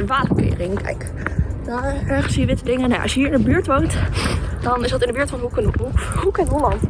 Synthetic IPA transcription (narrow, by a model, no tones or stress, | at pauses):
ʋaːtəmkɪ̰ːrɪŋkɛ̰jk | d̥aɛɹχənsiːəʋɪtədɪŋənːa̰ʔɑ̰sjəɦiːɹɪndəbyːɹtʋowntd̥ɑnɪsdɑtɪndəbɪːɹtfɑnɦukhukɛnɦolɑnt